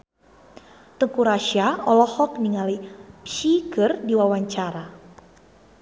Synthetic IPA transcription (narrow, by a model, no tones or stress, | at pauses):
t̪əŋkuɾaʃiaɔlɔhɔk̚niŋalisiɡərdiwawaɲt͡ʃaɾa